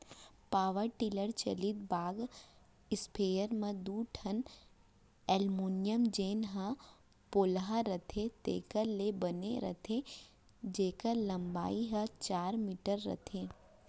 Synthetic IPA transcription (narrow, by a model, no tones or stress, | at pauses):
paːʋəɾʈɪləɾt͡ʃɐ̰lit̪̚baːɡ | ɪspʰeːjəɾmẽd̪uːʈʰɐn | ɛːlmoːnijəmd͡ʒeːnɦə̃ | poːlɦaɾɐt̪ʰet̪ḛːkəɾlebəneɾɐ̰t̪ʰe | d͡ʒeːkəlɐ̃mba̰ːiɦɐt͡ʃaːɾmiːʈəɾːɐ̰t̪ʰeː